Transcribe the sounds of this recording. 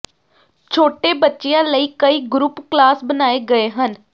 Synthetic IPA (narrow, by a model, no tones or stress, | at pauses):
t͡ʃʰoːʈeːbətːʃɪjãːləiːkəiːɡɾupklaːsbənaːeːɡəeːɦən